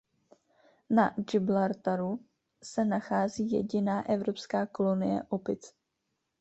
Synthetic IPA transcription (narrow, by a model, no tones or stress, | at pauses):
nad͡ʒɪblaɾt̪aɾu | sɛnaxaːziːjɛ̰ɟɪnaːʔɛvɾo̞pskaːko̞lo̞nɪjɛ̰ʔopɪt͡s